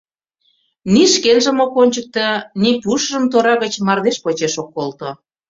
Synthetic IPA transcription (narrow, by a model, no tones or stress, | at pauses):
niʃkenʒə̆mokonʲt͡ɕək̚t̪ənipuʃʒə̆mt̪oɾɑɣət͡ɕmɑrd̪eʃpot͡ɕeʃokːolt̪o